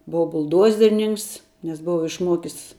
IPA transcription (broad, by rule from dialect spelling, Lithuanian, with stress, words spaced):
ˈboːʋɐ bʊlˠˈdoːzʲɛrʲnʲɪŋks nʲɛs ˈboːʋɐ ɪʃˈmuɔkʲɪs